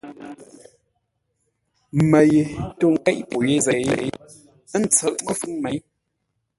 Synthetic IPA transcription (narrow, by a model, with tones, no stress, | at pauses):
mə˨je˨to˦˨ŋ̩˨kɛ˦ʔpo˨je˦zɛ˨jḛ˦˨˦ | ə˦n̩˨t͡sə˨ʔmə˦fɯ˦ŋmɛ˨˦j